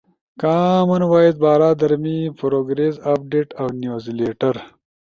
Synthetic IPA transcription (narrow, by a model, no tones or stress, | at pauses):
kaːmɐnwaːjid̪̚bɑːɾaːd̪ɐɾmipɾoɡɾezaːp̚ɖeːʈawnjozleːʈɐɾ